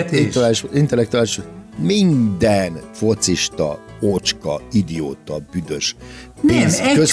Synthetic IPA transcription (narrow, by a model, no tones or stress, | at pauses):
aiʃint̪ɛlːɛk̚t̪uaːliʃomind̪ɛnfo̞t̪siʃt̪ɒ̰ot͡ʃkɒ̰id̪io̰ːt̪ɒbyd̪ø̞ʃpeːnskøs